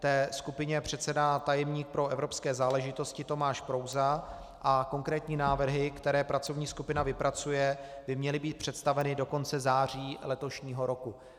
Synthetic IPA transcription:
t̪ɛːskupɪɲɛpr̝̥ɛt̪sɛdat̪ajɛmɲiːk̚pɾo̞ʔɛvɾo̞pskɛːzaːlɛʒɪt̪o̞scɪt̪o̞maːʃpɾo̞wza | ʔako̞ŋkɾɛːt̪ɲiːnaːvr̩ɦɪkt̪ɛɾɛːpɾʔat͡so̞vɲiːskupɪnavɪpɾat͡sujɛbɪmɲɛlɪbiːt̪̚pr̥ɛt̪st̪avɛnɪdo̞ko̞nt͡sɛzaːr̝iːlɛt̪o̞ʃɲiːɦo̞ɾo̞ku

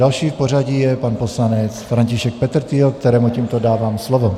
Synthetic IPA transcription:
alʃiːfpɔraɟijɛpaːnpɔslaɲɛt͡sfɾaɲciʃɛk̚pɛt̪r̩t̪iɔk̚t̪ɛɾɛːmuciːmt̪ɔd̪aːʋaːmslɔʋɔ

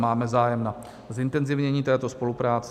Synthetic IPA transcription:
maːmɛzaːjɛmna | zɪnt̪ɛnzɪvɲɛɲiːt̪ɛːt̪o̞spo̞lupɾaːt͡sɛ̥

